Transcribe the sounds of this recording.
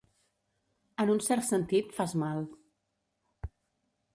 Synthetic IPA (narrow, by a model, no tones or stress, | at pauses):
ənunsɛɾt̪sənt̪it̪fazmalˠ